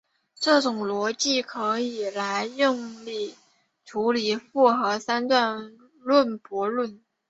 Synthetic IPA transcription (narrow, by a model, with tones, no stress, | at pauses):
ʈ͡ʂɤ˥˩ʈ͡ʂʊ˨˩ŋlwɔ˧˥t͡ɕi˥˩kʰɤ˧˥i˨˩la˧˥ɪi˥˧ŋli˥˩ | ʈ͡ʂʰu˧˥li˨˩fu˥˩xɤ˧˥sa˥nt̪wa˥˧n | lwə˥˩npwɔ˧˥lwə˥˩n